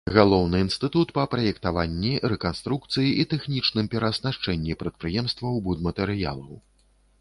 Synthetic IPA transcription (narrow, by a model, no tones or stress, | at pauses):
ɣalˠɔwnɨːnst̪ɨt̪ut̪pɐpɾɐjɛkt̪avanʲːiɾɛkanst̪ɾuk̚t̪sɨjiʔit̪ɛxnʲit͡ʂnɨmpʲɛɾɐsnaʂt͡ʂɛnʲːipɾɐt̪̚pɾɨjɛmst̪vɐwbud̪mɐt̪ɛɾɨja̰lˠɐw